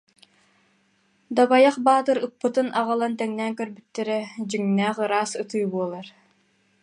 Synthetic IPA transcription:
d̪abajaχbaːt̪ɯɾɯpːɯt̪ɯnʔaʁalˠant̪ɛŋnɛŋkœɾbyt̪ːɛɾɛd͡ʑyŋnɛːχɯɾaːsɯt̪ɯːjbuɔlˠaɾ

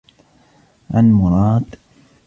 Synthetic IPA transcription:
ʔalmʊɾˤɑːd̪

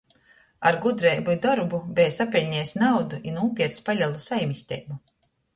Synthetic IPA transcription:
aɾɡud̪ɾeːbud̪ɔɾbubɛjsapʲɛlʲɲɛːsnawd̪uʔinuːpʲiɛt̪spalʲalˠusajmisʲt̪ʲɛ̰ːbu

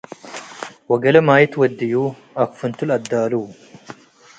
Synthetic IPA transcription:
wɐɡɐlɐmaːjɪt̪wɐd̪ːɪjuː | ɐkfʊnt̪ʊlɐd̪ːaːluː

